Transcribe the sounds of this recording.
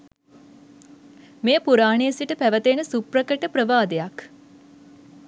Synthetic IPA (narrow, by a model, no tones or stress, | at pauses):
mejəpuɾaːɳeəsiʈəpæʋət̪eːnəsuprəkəʈəpɾəʋaːd̪ejak